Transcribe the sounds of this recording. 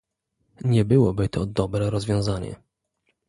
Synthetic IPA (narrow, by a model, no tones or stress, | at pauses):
ɲɛbɘwɔbɘt̪ʰɔd̪ɔbɾɛɾɔzvʲjɔ̃w̃zaɲɛ̰